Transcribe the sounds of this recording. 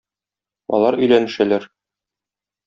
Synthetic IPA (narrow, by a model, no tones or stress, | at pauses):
ɒ̰lˠɑɾɵ̆jlænɘ̆ʃælæɾ